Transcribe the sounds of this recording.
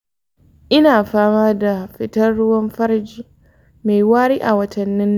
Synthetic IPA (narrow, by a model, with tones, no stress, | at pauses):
ʔɪ˦naː˨ɸaː˦maː˦da˨ɸɪ˦tɐ˦rːʊ˦wɐ˦mɸɐ˦ɾd͡ʒi˦ | me˨jwaː˦ɽiː˦ʔa˨wɐ˦tʰɐ˨nːɪ˦nː˦˨